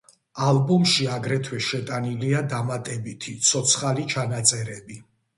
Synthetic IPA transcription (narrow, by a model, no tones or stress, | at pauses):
albumʃiaɡɾɛt̪ʰwɛʃɛt̪ʼaniliad̪amat̪ʼɛbit̪ʰit̪sʰɔt̪sʰχalit͡ʃʰanat̪sʼɛɾɛbi